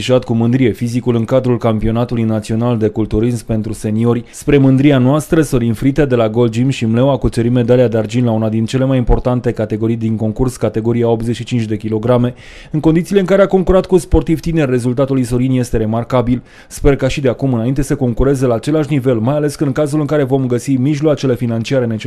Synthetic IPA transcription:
iʃat̪̚kumɨnd̪ɾije̞fizikulɨŋkad̪ɾulkampio̞nat̪ulujnat̪sio̞nald̪e̞kult̪uɾismpe̞nt̪ɾuse̞nio̞rʲspɾe̞mɨnd̪ɾianoast̪ɾəso̞ɾinfɾit̪ed̪e̞laɡo̞ld͡ʒimʃimlewakut͡ʃeɾime̞d̪alijad̪eard͡ʒinlaunad̪int͡ʃe̞le̞majimpo̞rt̪ant̪e̞kat̪e̞ɡo̞ɾijd̪iŋko̞ŋkurskat̪e̞ɡo̞ɾijao̞pze̞t͡ʃʃit͡ʃint͡ʃʲd̪e̞kʲilo̞ɡɾame̞ | ɨŋkond̪it̪sileɨŋkaɾe̞ako̞ŋkuɾat̪kuspo̞rt̪ivt̪ine̞rʲːe̞zult̪at̪uluijso̞ɾinje̞st̪e̞ɾe̞markabil | spe̞rkaʃid̪eakumɨnaint̪e̞səko̞ŋkuɾe̞ze̞laːt͡ʃe̞laʃnive̞lmajale̞skəɨŋkazulɨŋkaɾe̞vo̞mɡəsimiʒloat͡ʃe̞lefinant͡ʃiaɾene̞t͡ʃ

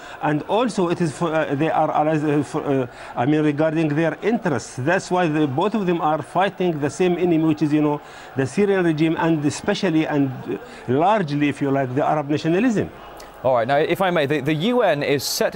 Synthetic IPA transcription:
ʔæ̃ndɔːlsoɪtɪzfðeɪʔaɾʔa̰laf | ʔaɪmĩːnɹɪɡɑɾdɪ̃ŋɡðeɹʔɪ̃ntəɾɛstsðætswaɪðboʊθɔvðɛ̃maɾfaɪtɪ̃ŋɡðəsẽːmɛnɪmiwɪt͡ʃɪzjʊnoː | ðəsiɾiãnɹɪd͡ʒĩːmʔæ̃ndɪspɛʃaliʔæ̃nd | laɾd͡ʒliɪfjulaɪk̚ðiʔa̰ɾabnaʃɔnalɪzɨ̰̃m | ʔɔlɹaɪt̚ⁿnaʊɪfaɪmeɪðɨðɨjʉɛ̃nɪz̥sɛt

